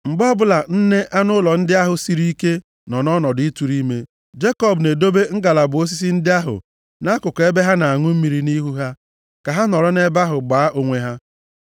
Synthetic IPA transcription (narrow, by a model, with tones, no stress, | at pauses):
ŋ͡m̩˨ɡ͡bɔ˦bʊ˦la˨n̩˦ne˦ʔa˦nʊ˦lɔ˨n̩˦dɪ˦a˦ɦʊ˨si˨ɾi˦ke˦ | nɔ˨nɔ˦nɔ˨dʊ˨ɪ˦tu˨ɾi˦me˦ | d͡ʒe˦kɔ˦˨bne˨do˦be˦ŋ̩˦ɡa˨la˨bʊ˨o˦s̬i˦s̬i˦n̩˦dɪ˦a˦ɦʊ̰˨ | na˦kʊ˨ke˦be˦ɦa˦na˨a˨ŋʊ˦m̩˦mi˨ɾi˦ni˦ɦu˦ɦa˦ | ka˨ɦa˦nɔ˨ɾɔ˦ne˦ba˦ɦʊ˨ɡ͡baː˨˦ʔo˨ŋʷe˦ɦa˦